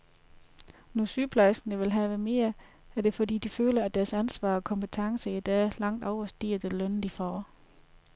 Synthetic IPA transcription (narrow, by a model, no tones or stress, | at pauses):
nɔsyːpʰlæsnəʋe̝lɦɛʋəme̝̰ːɐ | æd̥e̝fɒ̽dḭːd̥iføːlɐæd̥æɐsænsʋɑ̰̈ːɒ̽kʰɒ̽mpʰət͡sʰɑ̈ŋsəid̥ɛ̰ːlɑ̈ŋ̰d̥ɒʊɐsd̥ḭːɐd̥elœnd̥ifɒ̰ː